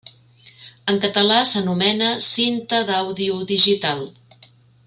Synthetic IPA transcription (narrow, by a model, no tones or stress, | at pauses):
əŋkət̪əlasənumɛnəsint̪əðawðiuðiʒit̪alˠ